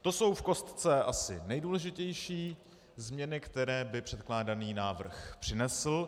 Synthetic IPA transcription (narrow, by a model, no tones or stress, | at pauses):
t̪o̞so̞wfko̞st̪t͡sɛʔasɪ̰nɛjduːlɛʒɪcɛjʃiː | zmɲɛnɪkt̪ɛɾɛːbɪpr̝̥ɛt̪klaːdaniːnaːvr̩xpr̝̥ɪnɛsl̩